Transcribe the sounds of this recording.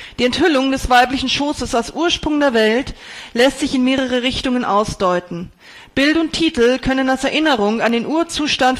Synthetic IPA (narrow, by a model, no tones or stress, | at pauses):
d̥iːɛnthʏlʊŋdɛsv̥aɪplɪçn̩ʃoːsəsalsʔuːɐʃpʁ̥ʊŋdeːɐvɛltlɛstz̥ɪçɪnmeːʁ̞əʁ̞əʁɪçtʊŋənʔa̰ʊsd̥ɔʏtn̩ | b̥ɪltʊntʰiːtl̩kʰœnənalsɛɐʔɪnəʁʊŋandeːnʔuːɐt͡suːʃtant